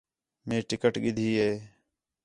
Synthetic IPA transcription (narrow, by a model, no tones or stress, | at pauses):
mẽːʈɪkəʈɠɪd̪ʱiːɦeː